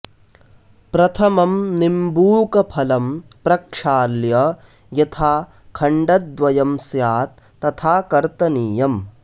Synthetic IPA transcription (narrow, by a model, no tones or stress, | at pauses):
pɾɐt̪ʰɐmɐmnimbuːkɐpʰɐlɐmpɾɐkʂaːljɐ | jɐt̪ʰaː | kʰɐɳɖɐd̪̚ʋɐjɐmsjaːt̪̚ːɐt̪ʰaːkɐɾt̪ɐniːjɐm